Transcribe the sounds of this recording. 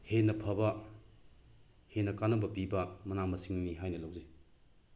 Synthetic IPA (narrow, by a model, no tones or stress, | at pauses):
henɐpʰɐbɐ | henːɐkanɐbɐpibɐmɐnamɐsiŋniɦajnɐlɐwzi